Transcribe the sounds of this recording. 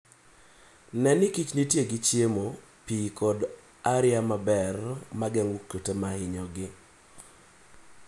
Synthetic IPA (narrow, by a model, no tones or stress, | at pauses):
nɛnɪkit͡ʃnitjeɡɪt͡ʃjemo | pikɔd | aɾɪjamabɛrmaɡɛŋwukːotemaɪɲɔɡɪ